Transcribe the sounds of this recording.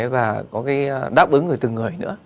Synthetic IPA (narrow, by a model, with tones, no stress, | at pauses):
vaː˨˩kɔ˨˦kaː˨˦jɗaː˦˥p̚ʔɨ˨˦ŋːɨ˨˩əjt̪ɨ˨˩ŋːɨ˨˩əjnɨ̰˧˥ə